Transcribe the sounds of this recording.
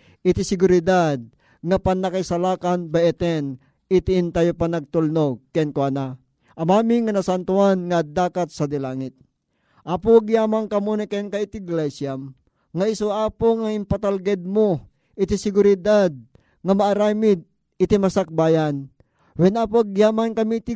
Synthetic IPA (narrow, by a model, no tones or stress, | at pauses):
ʔɪt̪ɪsɪɡʊɾɪd̪ad̪̚ | ŋapanːɐkajsalaːkanbaɛt̪ɛn | ɪt̪ɪʔɪnt̪ajopanɐɡ̚t̪ulnoɡ̚kɛnkoana | ʔɐmaːmɪŋɐnɐsant̪ʊanŋɐd̪aːkat̪̚sɐd̪ɪlaːŋɪt̪̚ | ʔaːpoaɡjaːmaŋkɐmonakɛnkaɪt̪ɪɡlɛsjam | ŋaɪsoaːpoŋaɪmpat̪alɡɛd̪̚mo | ʔɪt̪ɪsɪɡʊɾɪd̪ad̪̚ | ŋɐmaʔːɾamɪd̪̚ | ɪt̪ɪmasak̚baːjan | wɛnaːpoɡjaːmankɐmit̪ɪ